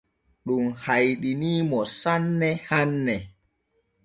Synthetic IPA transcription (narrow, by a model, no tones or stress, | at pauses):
ɗumhajɗiniːmɔsanːɛhanːɛ